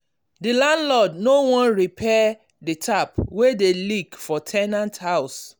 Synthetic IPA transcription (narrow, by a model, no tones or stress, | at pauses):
dilãndlɔdnowɔ̃nɹipʰɛ | ditʰapwedelikfɔtʰɛnãnthaʊs